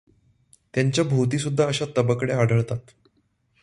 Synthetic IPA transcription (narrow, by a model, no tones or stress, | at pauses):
t̪jaɲt͡ɕjabʱut̪̬iːsud̪ʱːaəɕat̪əbəkɽeaɽʱəɭt̪at̪